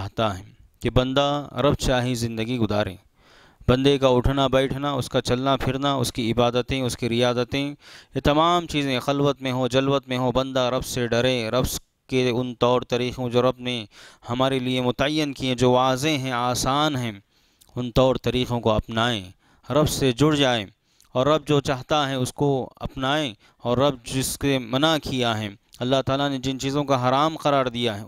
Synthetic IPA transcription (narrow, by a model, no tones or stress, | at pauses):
ɦt̪aɦɛ̃ | kebɐ̃nd̪a̰ɾɐbt͡ʃaːɦizɪ̃nd̪əɡiɡʊzaːɾḛ̃ː | b̥ɐ̃nd̪ekaʊʈʰnabɛːʈʰnaʊskat͡ʃɐlnapʰɪɾnaʊ̰skiɪbaːd̪ət̪ẽʊskiɾɪjaːzət̪ẽjet̪ɐmaːmt͡ʃiːzẽxɐlwət̪mẽɦod͡ʒɐlwət̪mẽɦobɐ̃nd̪aɾɐbseɖɐɾẽɾɐbs | keʊnt̪ɔːɾt̪ɐɾiːqõd͡ʒoːɾɐbnẽhɐmaːɾeliemʊt̪əjːənkiẽd͡ʒoːʋaːzeɦɛ̃aːsaːnɦɛ̃ | ʊnt̪ɔːɾt̪ɐɾiːqõkoɐpnaːḛ̃ | ɾɐbsed͡ʒʊɽd͡ʒaːe | ɔːɾːɐb̚d͡ʒoːt͡ʃaːɦt̪aɦɛʊskoɐ̰pnaːẽ | ɔːɾːɐb̚ɪskemɐnakʰijaɦɛ̃ːɐlːaɦt̪aːlaned͡ʒɪnt͡ʃiːzõkaɦɐɾaːmqɐɾaːɾd̪ijaɦɛː